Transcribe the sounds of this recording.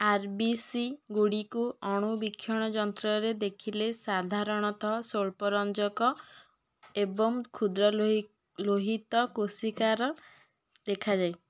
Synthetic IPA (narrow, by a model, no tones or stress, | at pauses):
aɾbisiɡuɽikuɔɽ̃ubikʰːjɔɽ̃ɔd͡ʒɔnt̪ɾɔɾed̪ekʰilesad̪ʱaɾɔɽ̃ɔt̪ʰɔɦsoɭpɔɾɔnd͡ʒɔkɔ | ebɔŋkʰud̪ɾɔ | loɦit̪ɔkosikaɾɔ | d̪ekʰad͡ʒaj